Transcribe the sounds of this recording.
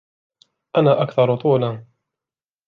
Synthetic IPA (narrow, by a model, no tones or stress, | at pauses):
ʔanaːʔakθɑɾˤt̪ˤuːlaː